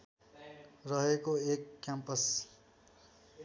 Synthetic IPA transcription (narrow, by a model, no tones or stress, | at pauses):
rʌɦekoekːjampʌs